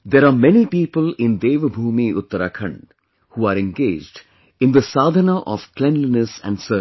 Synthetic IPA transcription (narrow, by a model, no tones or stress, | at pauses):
d̪eːɾaːmɛnipiːpəlɪ̃nd̪eːʋəbʱuːmiʊt̪ːəɾakʰə̃ɳɖ | huːaːɾẽnɡeːd͡ʒɖ | ɪ̃nd̪əsaːd̪ʱənaʔɔʋklɛ̃nlinəsæ̰̃ɳɖsəː